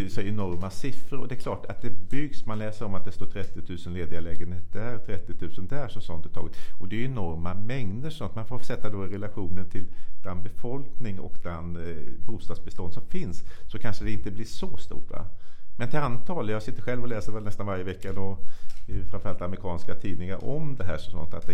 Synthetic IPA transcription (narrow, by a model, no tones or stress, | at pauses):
sɔɛnɔɾmasɪfɾəɾɔd̪ɛkʰlɑːʈat̪̚d̪ɛbʏɡsmanlɛːsəɾɔmat̪̚d̪ɛst̪oːʈʰɾɛt̪ːɪt̪ʰʉ̟ːsənleːd̪ɪalɛːɡənheːt̪̚d̪æɾt̪ʰɾɛt̪ːɪt̪ʰʉ̟ːsənd̪æːʂɔmsɔnt̪ʉ̥t̪ʰɑːɡət̪ɔd̪ɛjɛnɔɾmamɛŋd̪əɾʂɔsɔnt̪ːmanfoːɾfsɛt̪ːad̪oɾɛlaɧuːnənʈ̪ʰɪlb̥lanbɛfɔlknɪŋɔ̰kblɛnbuːst̪ɑːd̪sbɛst̪ɔnsɔmfɪnssɔkʰanʂəd̪ɛɪnt̪əblɪʂɔst̪ṵːʈɾa̰mɛnt̪ʰɪlant̪ʰɑːljɑːsɪt̪ːəɧɛlvɔlɛːsəɾvɛlɛst̪anvaɾjəvɛkːad̪ɔ | fɾanfɾalt̪amɾɪkʰɑːnskat̪ʰiːd̪nɪŋaɾʔɔmd̪ɛɦæ̰ːʂɔmsɔ̰nt̪ːa̰t̪̚d̪ɛ